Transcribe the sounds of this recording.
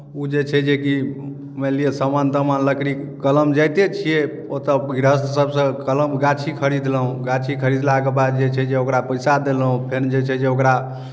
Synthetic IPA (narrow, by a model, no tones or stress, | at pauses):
ud͡ʒet͡ʃʰɛd͡ʒeki | mɛliesəmant̪əmanləkɾikkələmd͡ʒajt̪et͡ʃʰije | ot̪ɔɡɾəssəbsə̃kələmɡat͡ʃʰikʰəɾid̪ləɦũɡat͡ʃʰikʰəɾid̪laɡebad̪̚d͡ʒet͡ʃʰɛd͡ʒeokɾapəjsad̪elɦũpʰeɾd͡ʒet͡ʃʰɛd͡ʒeokɾa